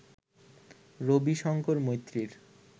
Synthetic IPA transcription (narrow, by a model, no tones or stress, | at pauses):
ɾobiʃɔŋkoɾmojt̪ːɾiɾ